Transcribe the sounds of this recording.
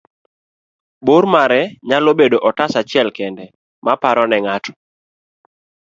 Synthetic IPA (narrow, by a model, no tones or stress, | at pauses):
boɾmaɾɛɲalobedoʔɔtasat͡ʃɪɛlkɛndɛ | mapaɾɔnɛŋatʰɔ̥